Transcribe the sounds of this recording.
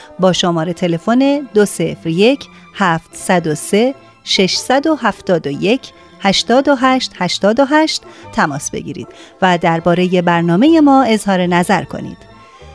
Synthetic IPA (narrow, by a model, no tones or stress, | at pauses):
bɒːʃomɒːɾe̞t̪ʰe̞le̞fo̞ne̞d̪ose̞fɾje̞cʰ | hæːft̪sæd̪ose̞ | ʃe̞ʃsæd̪o̞hæft̪ɒːd̪oje̞cʰ | hæʃt̪ɒːd̪o̞ɦæːʃt̪hæʃt̪ɒːd̪o̞ɦæʃt̪t̪ʰːæmɒːsb̥e̞̰ɟḭːɾḭːd̪̥væd̪æɾbɒːɾe̞je̞bæɾnɒːme̞je̞mɒːe̞zhɒːɾe̞næzæɾkʰo̞̰nḭːd̪̥